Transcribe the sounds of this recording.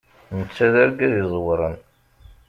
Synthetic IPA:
nət͡sːæðæɾɡæðizˤwɾˤən

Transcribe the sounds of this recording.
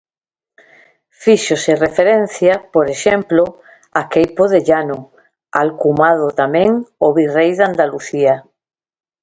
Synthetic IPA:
fiʃoserefeɾẽn̟θjapoɾeʃẽmplo | akejpoðeʎano | alkumað̞ot̪amẽŋoβirejðand̪aluθia

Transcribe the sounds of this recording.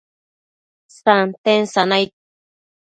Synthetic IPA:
sant̪ensanajt̪̚

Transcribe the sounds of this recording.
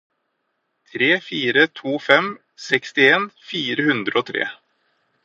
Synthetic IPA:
t̪ʰɾeːfiːɾət̪ʰuːfɛm | sɛkst̪ɪeːnfiːɾəhʉnd̪ɾəɔt̪ʰɾḛː

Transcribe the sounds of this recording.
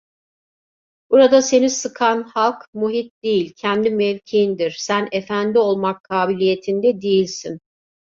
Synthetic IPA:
buɾad̪ase̞nisɯkʰanhalˠkmuɦit̪̚d̪ijilʲcʰɛnd̪imɛvʲcʰiːnd̪iɾ̥sænefænd̪io̞lˠmakʰːaːbilʲije̞t̪ʰind̪ɛd̪ijilʲsin

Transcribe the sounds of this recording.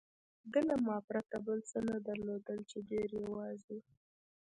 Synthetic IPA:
d̪əlamɑpɾat̪abəlsənad̪aɾlod̪əlt͡ʃedeɾjawɑzi

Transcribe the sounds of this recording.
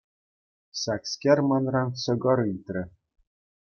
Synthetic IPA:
sɑkskʲermɑnrɑnsɤ̆ɡɤ̆ɾit̪ʲrʲɘ̆

